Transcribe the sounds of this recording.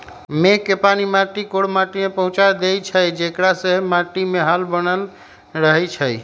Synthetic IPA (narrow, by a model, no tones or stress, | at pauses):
mekːepanimaʈikoɽmaʈimepəɦũt͡ʃad̪ejt͡ʃʰəjd͡ʒekɽasəɦmaʈimeɦalbənəl | ɾəɦɛt͡ʃʰəj